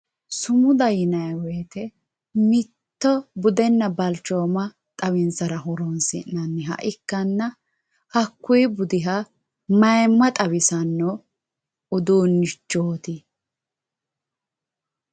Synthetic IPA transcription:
sʊmʊd̪ɐjɪnɐjwɛːt̪ɛ | mɪt̪ːɔbʊd̪ɛnːɐbɐlt͡ʃːoːmɐ | t̪ʼɐwɪnsɐɾɐɦɔɾɔnsɪ̰nːɐnːɪɦɐ̰ʔɪkːɐnːɐ | hɐkːʊjbʊd̪ɪɦɐ | mɐjmːɐt̪ʼɐwɪsɐnːɔ | ʊd̪uːnːɪt͡ʃːoːt̪ɪ

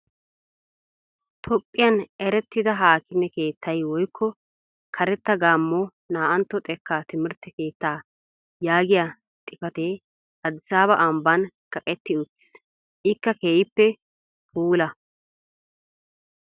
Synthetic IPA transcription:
t̪ʰɔpʼːɪjɐnɛɾɛt̪ːɪd̪ɐɦaːkɪmɛke̞ːt̪ːɐjwɔjkʰːɔ | kʰɐɾɛt̪ːɐɡaːmːɔ | naːʔɐnt̪ːɔt̪ʼɛkːat̪ɪmɪɾt̪ːɛke̞ːt̪ːaː | jaːɡɪja | t̪ʼɪkɐt̪e | ɐd̪ɪsaːβɐʔɐmbɐn | kʼɐkʼɛt̪ːɪʊt̪ː | ʔɪkːɐkeːjɪpːɛ | puːlɐ

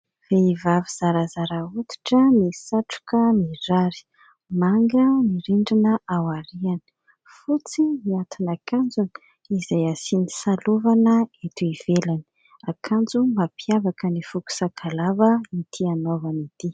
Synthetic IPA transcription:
veivaviz̥aɾazaɾaut̪i̥ʈ͡ʂənisaʈ͡ʂu̥kəmiɾaɾi̥ | maŋɡəniɾiɳɖ͡ʐinəawaɾianə̥ | fut͡simiat̪inakand͡zuni̥ | izajasini̥saluvanəet̪uiv̥elani̥ | akʰand͡zumapʰiavakənifuku̥sakʰalavəit̪ʰianovanit̪i

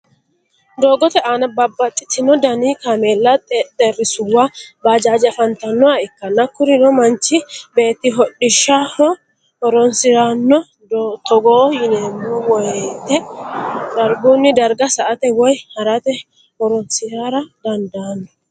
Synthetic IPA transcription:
d̪o̞ːɡɔt̪ɛʔanɐbɐbːɐt͡ʃ̪ʼːɪ̥t̪ːɪnɔd̪ɐniːkaːmeːlːɐt̪ʼɛrːɪsʊwːabaːd͡ʒaːd͡ʒɛfɐnt̪ɐnːɔwaɪkːɐnːɐkːʊɾɪnɔmɐnt͡ʃːɪbe̞ːt̪ːɪɦɔɗːɪʃːahɔ | hɔɾɔnsɪɾanːɔ | t̪ɔɡoːjɪneːmːɔwɔjt̪ːɛ | d̪ɐɾɡunːɪd̪ɐɾɡɐsɐʔɐt̪ɛwɔjhɐɾɐt̪ɛ | hɔɾɔnsɪɾaːɾɐd̪ɐnd̪ɐːnːɔ

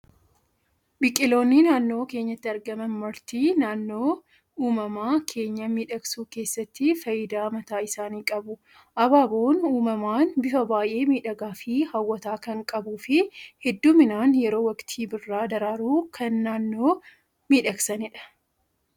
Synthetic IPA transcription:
bɪkʼːɪlo̞ːnːɪnaːnːo̞ːke̞ːɲːɐt̪ːɪɐɾɡɐmɐnmɐɾt̪iːnaːnːo̞ː | uːmɐmaːkʰe̞ːɲːɐmiːᶑɐksuːke̞ːsːɐt̪ːɪfɐjɪd̪aːmɐt̪aːɪsaːniːkʼɐbʊ | ʔɐbaːboːnuːmɐmaːnbɪfɐbaːjʔe̞ːmiːᶑɐɡaːfɪhɐwːɐt̪aːkɐŋkʼɐbuːfɪhɛd̪ːuːmɪnaːnjɛɾo̞ːwɐkt̪ʰiːbɪrːaːd̪ɐɾaːɾuːkʰɐnːaːnːo̞ː | miːᶑɐksɐnɪᶑɐ̥

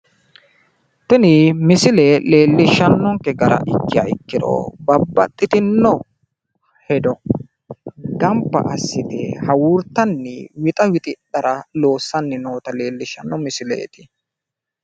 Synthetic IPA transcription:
t̪ɪnɪmɪsɪlele̞ːlːɪʃːɐnːɔŋkɛɡɐɾɐ̰ʔɪkːɪja̰ɪkːɪd̪o̰bɐbːɐt̪ʼːɪt̪ɪnːɔ | hɛd̪ɔ | ɡɐmpːɐ̰ʔɐsːɪt̪ɛ̰hɐwuːɾt̪ːɐnːɪwɪt̪ʼɐwɪt̪ʼɪɗɐɾɐlo̞ːsːɐnːɪno̞ːt̪ɐle̞ːlːɪʃːɐnːɔmɪsɪlḛːt̪ʼɪ̥

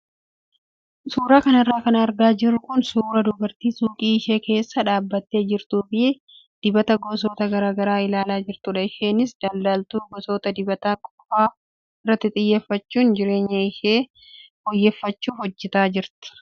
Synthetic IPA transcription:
suːɾaːkɐnɪrːaːkɐnɐːɾɡaːd͡ʒɪrːʊkʊnsuːɾɐd̪ʊbɐɾt̪iːsuːkʼiːɪʃe̞ːke̞ːsːɐᶑaːbːɐt̪ːe̞ːd͡ʒɪɾt̪uːfɪ | d̪̥ɪbɐt̪ɐɡɔs̬oːt̪ɐɡɐɾaːɡɐɾaːɪlaːlaːd͡ʒɪɾt̪ʊᶑɐɪʃe̞ːnɪsd̪ɐld̪aːlt̪uːɡɔsoːt̪ɐd̪ɪbɐt̪aːkʼɔ̥faː | ɪrːɐt̪ːɪt̪ʼɪjːeːfːɐt͡ʃːuːnd͡ʒɪɾe̞ːɲːɐɪʃe̞ː | hɔjːɛːfːɐt͡ʃːuːfɔd͡ʒːɛt̪aːd͡ʒɪɾt̪ɪ̥

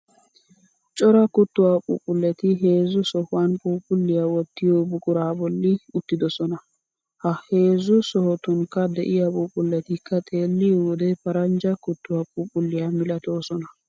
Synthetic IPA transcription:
t͡ʃʼɔɾɐkʊt̪ːʊwaːpʼṵːpʼʊlːɛt̪ɪɦe̞ːzːʊsɔhʊwanpʼuːpʼʊlːɪjawɔt̪ːɪjoːbʊkʼʊɾaːbɔlːɪʊt̪ːɪd̪ɔsɔnɐ | hɐhe̞ːzːʊsɔhɔt̪ʊŋkːɐd̪ɛʔɪjapʼuːpʼʊlːɛt̪ɪkːɐt̪ʼe̞ːlːɪʊd̪ɛpɐɾɐnd͡ʒɐkʊt̪ːʊwapʼuːpʼʊlːɪjamɪlɐt̪o̞ːsɔnɐ

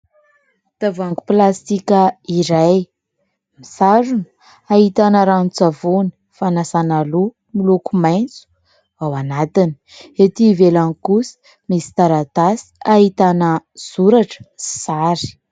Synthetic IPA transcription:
t̪avaŋɡuplast̪ikʲəiɾaj | misaɾun | aɦit̪anəɾanut͡savoni̥ | fanasanalu | milukumajnt͡su̥ | awanat̪ini̥et̪ivelaŋikusi̥ | misi̥t̪aɾat̪asi̥aɦit̪anəz̥uɾaʈ͡ʂə̥i̥saɾi̥

